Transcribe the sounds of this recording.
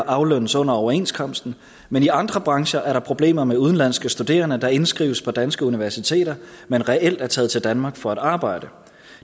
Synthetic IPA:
ʔɑ̈ʊlønəsɔ̽n̰ɐɒʊɐe̝̰nskʰɒ̽m̰sd̥n̩ | meniɑ̈nd̥ʁɐb̥ʁɑ̈ŋɕɐʔæɐɾ̥ɑ̈pʰʁo̝b̥le̝̰ːmɐmeuðˠən̩læn̰sɡ̥əsd̥ud̥e̝̰ːɐnəd̥ɑ̈e̝nsɡ̥ʁiːʊəspʰɒ̽d̥ænsɡ̥əuniʋæɐsit͡sʰe̝̰ːɾ̥ɐ | menʁɛel̰d̥æɐt͡sʰɛːð̩ˠt͡sʰe̝ld̥ænmɑ̈ːɡ̥fɒ̽æɾ̥ɑ̈ːb̥ɑ̈ɪ̰ɾ̥ə

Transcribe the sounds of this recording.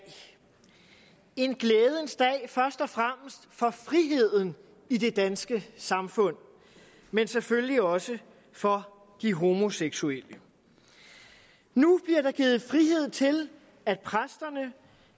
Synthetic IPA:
e̝nɡ̥leːð̞ˠənsd̥ɛɪfɶɐsd̥ɒ̽fʁam̰əsd̥fɒ̽fʁiɦe̝ð̞̰ˠn̩ | ide̝d̥ænsɡ̥əsɑ̈mfɔ̽n̰ | mensefølliɒ̽sə | fɒ̽ | d̥iɦo̝ːmo̝seɡ̥suelə | nub̥liɐɾ̥ɑ̈ɡ̥iːð̞̩ˠfʁiɦe̝ð̞̰ˠt͡sʰe̝l | æd̥pʰʁasd̥ɐnə

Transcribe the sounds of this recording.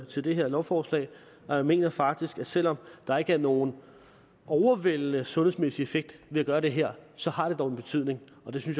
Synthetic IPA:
t͡sʰe̝ld̥e̝ɦeɐ̰lɒʊfɒːslɛ̰ɪ | ɒjame̝̰ːnɐfɑ̈ɡ̥̚d̥isɡ̥æ̥sel̰ɒ̽md̥ɑ̈e̝ɡ̥əæɐno̝ːn̩ | ɒʊɐʋel̰ənəsɔ̽nhes̬mesiefeɡ̥̚d̥ʋe̝æɡ̥ɶːɐɾ̥e̝ɦæɐ̰sɒ̽hɑ̈d̥e̝d̥ɒʊe̝nb̥e̝t͡sʰy̰ð̞̰ˠne̝ŋ | ɒ̽d̥e̝synsɕj

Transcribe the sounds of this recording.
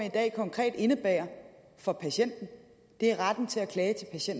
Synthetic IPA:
id̥ɛ̰ːkʰɒ̽ŋkʰʁɛ̰ːd̥e̝nəb̥ɛ̰ːɐ | fɒ̽pʰæɕen̰d̥n̩ | d̥e̝æɐʁɑd̥n̩t͡sʰe̝ækʰlɛːt͡sʰe̝lpʰæɕen̰d

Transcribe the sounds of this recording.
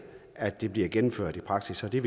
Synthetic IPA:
æd̥ːe̝b̥liɐɡ̥enm̩føɐ̰d̥ipʰʁɑ̈ɡ̥sisɒ̽d̥e̝ʋ

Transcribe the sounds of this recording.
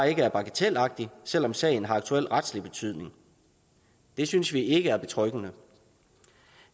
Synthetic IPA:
e̝ɡ̥əæɐb̥ɑ̈ɡ̥ət͡sʰel̰ɑ̈ɡ̥̚d̥isel̰ɒ̽msɛ̰ːɪn̩ɦɑ̈ɑ̈ɡ̥t͡sʰuel̰ʁad̥slib̥e̝t͡sʰyð̰ˠne̝ŋ | d̥e̝synsʋie̝ɡ̥əæɐb̥e̝t͡sʰʁœɡ̥ənə

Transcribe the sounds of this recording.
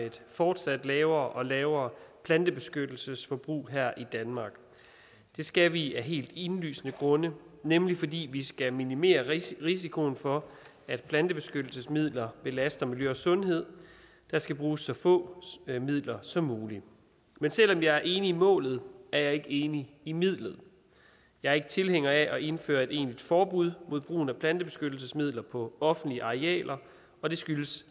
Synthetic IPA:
ed̥fɒːd̥sæd̥lɛːʊɐːʔɒ̽lɛːʊɐːpʰlænd̥əb̥e̝sɡ̥ød̥l̩səsfɒ̽b̥ʁṵːɦæɐ̰ʔid̥ænmɑ̈ːɡ̥ | d̥e̝sɡ̥æʋiæɦe̝̰ːld̥i̝nly̰ːsnəɡ̥ʁɔ̽nənemlifɒ̽dḭːʋisɡ̥æminime̝̰ːɐʁis̬ikʰo̝nfɒ̽ | æd̥pʰlænd̥əb̥e̝sɡ̥ød̥l̩səsmið̞̰ˠlɐb̥e̝læsd̥ɐmiljøɒsɔ̽nɦe̝ð̞̰ˠ | d̥ɑ̈sɡ̥æb̥ʁuːsːɒ̽fɔ̰̽ːmið̞̰ˠlɐsɒ̽mːuːli | mensel̰ɒ̽mjɑ̈æɐʔe̝ːniːmɔ̰̽ːlð̞̩ˠæɐjɑ̈ɪe̝ɡ̥əe̝ːniːmið̞̰ˠlð̞̩ˠ | jɑ̈ɪɐe̝ɡ̥ət͡sʰe̝lheŋ̰ɐæʔɒ̽ʔe̝nfø̰ːɐe̝de̝̰ːnlid̥fɒːb̥uð̞̰ˠmo̝ð̰ˠb̥ʁṵːn̩æpʰlænd̥əb̥e̝sɡ̥ød̥l̩səsmið̞̰ˠlɐpʰɒ̽ɒ̽fn̩̥liəʔɑ̈ʁeɛ̰ːlʔɐ | ɒ̽d̥e̝sɡ̥yləs

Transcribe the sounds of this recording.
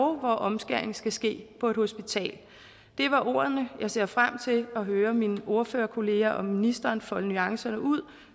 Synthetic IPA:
ʊʋɒʔɒ̽msɡ̥æɐeŋ̩sɡ̥æsɡ̥e̝̰ːpʰɒ̽e̝d̥ho̝sb̥it͡sʰɛ̰ːl | d̥e̝ʋɑ̈ʔo̝ːɐð̩ˠnəjɑ̈ɪse̝ɐfʁam̰t͡sʰe̝lɒ̽ɦøːɐminʔo̝ɐføːɐkʰo̝le̝ːæʔɒ̽mːinisd̥ɐːnfɒ̽lənyɑ̈ŋsɐnəʔuð̞̰ˠ

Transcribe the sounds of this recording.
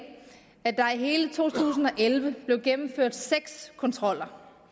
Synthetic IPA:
æd̥ɑ̈iɦe̝ːlət͡sʰo̝̰ːt͡sʰṵːsn̩ɒ̽ʔelʋəb̥le̝ʊɡ̥emm̩føɐ̰d̥seɡ̥skʰɒ̽nt͡sʰʁɒ̽l̰ɐ

